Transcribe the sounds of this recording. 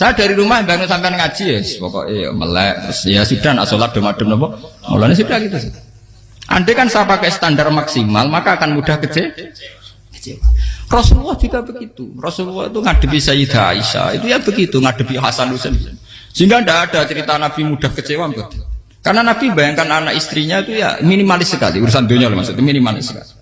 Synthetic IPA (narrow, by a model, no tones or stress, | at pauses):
sajad̥a̤ɾiɾumahmbajaŋnosampianŋḁʒ̥iespɔ̰kɔ̰ʔejɔ̰mə̰lɛ̰ʔt̪ʊ̰sjasuɖ̥ana̰solad̥ə̤maɖ̥ə̤m̚nɔmpɔmo̰lɔnes̬udakit̪us | ʔa̰ɳɖekansapakɛst̪andarmaksima̰lmakakanmuɖ̥ahkət͡ʃe | kə̥t͡ʃewarɔsluwɔhd͡ʒ̥uɡab̥əɡ̥it̪urɔsluwɔhit̪uŋaɖ̥ə̤pisajid̪̥aa̰isa̰ḭt̪ujab̥əɡit̪uŋaɖ̥ə̤piɦa̰sanlusən | siŋɡandaːɖ̥a̤t͡ʃəɾit̪anab̥imuɖ̥a̤hkət͡ʃewampʊt̪ | karnanab̥imbajaŋkananaʔist̪ɾiɲait̪uja̰minimalɪsəka̰lḭuɾusand̪oɲɔlɛma̰sot̪uminima̰lɪ̰sə̥ka̰li